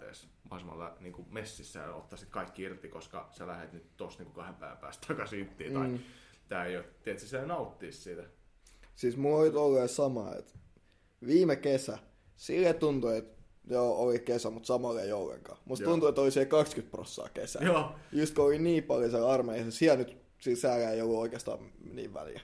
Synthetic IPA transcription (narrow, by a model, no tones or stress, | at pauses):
ḛːˑs | ʋɑhɑsemɑ̰lːɑ̰niːŋkumesːisːæ̰jɑ̰o̰t̪ːɑsit̪kɑikːiirt̪ikoskɑ̰sælæhet̪nyt̪t̪ost̪niːŋkukɑhempæ̰iʋæ̰pæ̰ːst̪t̪ʰɑkɑsiyt̪ːḭːi | t̪æːeijot̪t̪ːiet̪sesenɑut̪ːiːssit̪æ | siːsmuolit̪olːeːˑsɑmɑ̰ḛt̪ | ʋiːmekesæ | silːet̪unt̪uet̪ | joːolikesæmut̪sɑmɑleiolːḛŋkɑ̰ːmusttunt̪uet̪ːolisiælkɑkskyt̪̚pro̰sːɑ̰ːkḛsæ̰joːjust̪kooliniːpɑljoselɑrmeisesiælnyt̪ | silsæːlæeiolːuoikeɑst̪ɑ̰ːnḭːʋʋæ̰ljæ̰